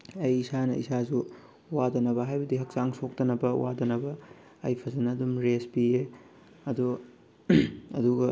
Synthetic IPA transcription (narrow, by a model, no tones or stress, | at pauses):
ɐjisanɐisazu | wadɐnɐbɐɦajbɐdiɦɐk̚saŋsʰok̚tɐnɐbɐwʔa̰dɐnɐbɐ̰ː | jpʰɐzɐnɐːdumɾespie | ɐdu | ɐduɡɐ